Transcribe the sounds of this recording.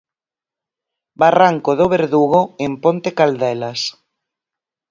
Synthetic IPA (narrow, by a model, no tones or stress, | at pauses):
baraŋkoðoβ̞eɾðuɣ̞oempont̪ekald̪ɛlas